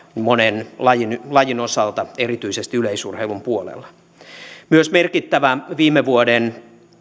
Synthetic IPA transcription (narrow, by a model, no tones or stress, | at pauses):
monenlɑjinlɑjinosɑlt̪ɑerit̪yisest̪iyleisṵrheilumpuolḛlːɑ̥ | myøsmerkit̪ːæʋæʋiːmeʋuoden